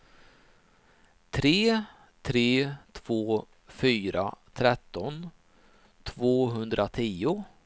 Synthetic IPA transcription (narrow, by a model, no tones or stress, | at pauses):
t̪ʰɾeː | t̪ʰɾeːt̪ʰv̥oː | fyːɾa̰t̪ʰɾɛt̪ːɔn | t̪ʰvoːɦɵnd̪ɾʔat̪ʰiːʊ